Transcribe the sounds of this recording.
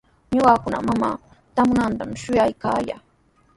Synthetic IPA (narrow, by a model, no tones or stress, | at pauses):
ɲʊɢɑkʊna̰mamaː | t̪amʊnant̪amʃʊjajkaːja̰ː